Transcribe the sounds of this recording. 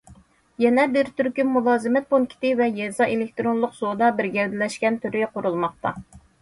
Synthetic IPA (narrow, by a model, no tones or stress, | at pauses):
jɛnɛbɪɾt̪ʰyɾkʲymulˠɑːzɨmɛt̪̚ponkʲʰi̥t̪ɪvɛjɛzɑʔelɪk̚ʲt̪ɾonlˠʊqsod̪ɑbɪɾɡʲɛld̪ɪlɛʃkʲɛnt̪ʰyɾɪqʊɾulˠmɑq̚t̪ɑ